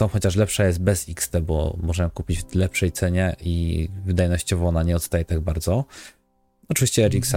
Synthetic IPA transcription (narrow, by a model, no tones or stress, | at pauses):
ɔ̃w̃xɔt͡ɕaʂ̬lɛpʂajɛst̪̚bɛzikst̪ɛbɔ̰mɔʐɛkupʲid͡ʑlɛpʂɛjt̪sɛɲɛʔivɘd̪ajnɔɕt͡ɕɔvɔɔnaɲɛɔt̪st̪ajɛt̪aɡ̚baɾd̪zɔ | ɔt͡ʂɨvʲiɕt͡ɕɛɛɾiksa